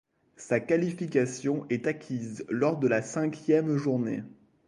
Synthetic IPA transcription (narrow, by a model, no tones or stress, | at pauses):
sakalifikasjɔ̃ʔɛt̪akʲʰizlɔʁd̪əlasɛ̃kʲjɛmʒuʁnḛ